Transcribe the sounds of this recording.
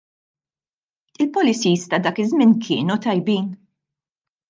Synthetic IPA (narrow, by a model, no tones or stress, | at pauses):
ɪlpɔlɪt͡siːst̪ɐd̪ɐːkɪzmɪnkʰɪ̰ːnut̪ɐjbiːn